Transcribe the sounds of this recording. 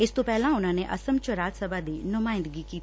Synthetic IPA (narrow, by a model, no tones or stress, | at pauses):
ɪst̪õːpɛːlãːʊnãːneʔəsəmt͡ʃəɾaːd͡ʒsəbaːd̪iːnʊmaːɪ̃nd̪əɡiːkiː